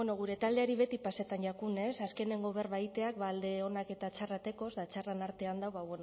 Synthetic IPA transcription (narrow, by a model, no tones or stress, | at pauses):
enoɣuɾe̞t̪ald̪e̞aɾiβ̞e̞t̪ipaset̪anʝakune̞saske̞ne̞ŋɡo̞β̞e̞rβajt̪e̞ak̚βald̪e̞o̞nake̞t̪at͡ʃarat̪e̞ko̞zd̪at͡ʃaranaɾt̪e̞and̪awβaβe̞n